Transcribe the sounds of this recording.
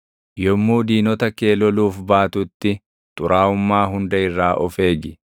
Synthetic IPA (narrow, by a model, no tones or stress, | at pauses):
jɔmːuːd̪iːnɔt̪ɐkeːlɔluːfbaːt̪ʊt̪ːɪ | t̪ʼʊɾʔaːʊmːaːɦʊnd̪ɐɪrːaːʔɔfe̞ːɡɪ